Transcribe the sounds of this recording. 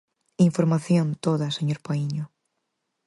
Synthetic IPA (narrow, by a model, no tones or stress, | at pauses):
iɱfoɾmaθjõnt̪oðaseɲoɾpaiɲo